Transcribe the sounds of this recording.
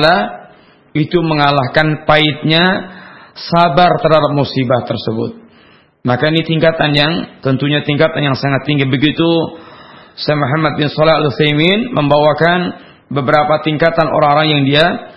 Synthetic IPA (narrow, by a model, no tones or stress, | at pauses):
la | it̪uməŋalahkanpaɪt̪̚ɲa | sabart̪ərɦhadap̚musibaht̪ərsəbʊ̰t̪̚ | makainit̪iŋkat̪anjaŋt̪ənt̪uɲat̪iŋkat̪anjaŋsaŋat̪ːiŋɡibəɡit̪u | sajmuɦamat̪̚bɪnsɔlɛɦaluθajminmʔəmbawakan | bəbəɾapat̪iŋkat̪anʔo̰ɾaŋoɾaŋjaŋdia